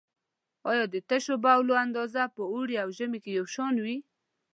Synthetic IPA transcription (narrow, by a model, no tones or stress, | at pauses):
ɑjɑd̪ət̪əʃobawloand̪ɑzapəuɽiawʒəmekejawʃɑnwi